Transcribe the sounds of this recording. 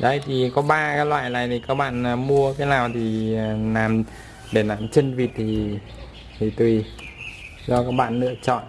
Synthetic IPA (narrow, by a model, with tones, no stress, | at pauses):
ɗə˧˩jt̪ʰi˨˩kɔ˨˦ɓaː˧kaː˨˦˥lwa̰ː˧˨jla̰ː˧˨jt̪ʰi˨˩kaː˦˥k̚ɓa̰ː˧˨nː˨˩mu˧əkaː˨˦jlaː˨˩wt̪ʰi˨˩laː˨˩m | ɗe˧˩laː˨˩mt͡ɕə˧nvi˨˩t̚t̪ʰi˨˩ | t̪ʰi˨˩t̪wi˨˩ | zɔ˧kaː˦˥k̚ɓa̰ː˧˨nːɨ̰˧˥ət͡ɕɔ̰˧˨n